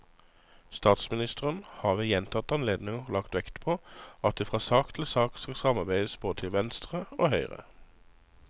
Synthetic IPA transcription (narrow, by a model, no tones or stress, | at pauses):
st̪ɑːt̪smɪnɪst̪əʁənhɑːʁʋejɛnt̪ʰɑt̪ɑnleːd̪nɪŋəʁlɑkt̪ʋɛkt̪pʰoːɑt̪̚d̪eːfʁɑːsɑːkt̪ʰɪlsɑːkskɑsɑmɑʁbæɪd̪əsb̥oːd̪ət̪ʰɪlʋɛnst̪ʁəoːhœʏʁə̰